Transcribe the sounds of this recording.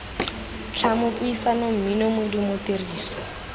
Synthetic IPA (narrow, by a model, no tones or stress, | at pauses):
t͡ɬʰamʊpʊisanom̩minomʊdimʊteriːsɔ